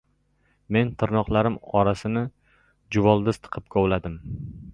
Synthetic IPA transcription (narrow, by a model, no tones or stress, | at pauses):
me̞nt̪ʰɪɾnɒqlˠaɾɪmɒɾasɪnɪ | d͡ʒʊvɒlˠd̪ɪst̪ʰɨ̥qʰɨp̚kʲʰɒwlad̪ɪm